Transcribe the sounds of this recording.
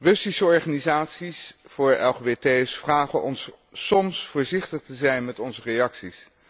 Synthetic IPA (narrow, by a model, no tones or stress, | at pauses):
rɵsisəɔɹχaːnizaːtsisfʊːɹɛ̰lˠχeːbetejsfraːχənʔɔ̰nsː | ɔmsfʊːɹzɪχtəχtəzɛjnmɛtɔnzərejɑksis